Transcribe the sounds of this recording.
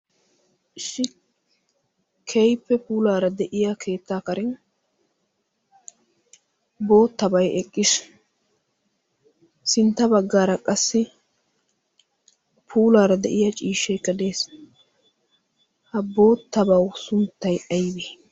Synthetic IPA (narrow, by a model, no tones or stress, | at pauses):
ɪsːɪ | kʰɛjpːɛpuːlaːɾɐd̪ɛʔɪjakʰe̞ːt̪ːaːkɐɾɪn | bo̞ːt̪ːɐbɐjɛkʼːɪs | sɪnt̪ːɐbɐɡːaːɾɐkʼɐsːɪ | pʰuːlaːɾɐd̪ɛʔɪjat͡ʃʼiːʃːɛjkːɐd̪e̞ːs | hɐbo̞ːt̪ːɐbɐwsʊnt̪ːɐjɐjbeː